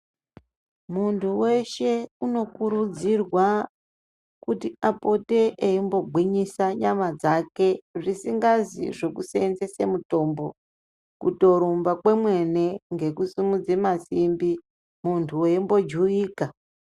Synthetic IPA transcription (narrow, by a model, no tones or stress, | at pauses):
muntʰuwe̞ʃe̞uno̞kuɾud͡zirwa | kutiapo̞teʔeimbo̞ɡʱwiɲisaɲamad͡zake̞ʐisiŋɡazḭʐe̞kuseenzese̞̰muto̞mbo̞ | kuto̞ɾumbakwe̞mwe̞ne̞ŋɡe̞kusimud͡zemasimbi | muntʰuweimbo̞d͡ʒuiːka